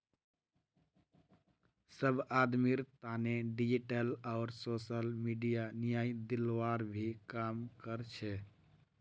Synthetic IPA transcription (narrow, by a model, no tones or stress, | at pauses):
səbad̪miɾt̪aneɖid͡ʒiʈəlaʊɾsosəlmiɖijanijaid̪ilʋaɾbʱikamkəɾt͡ʃʰɛ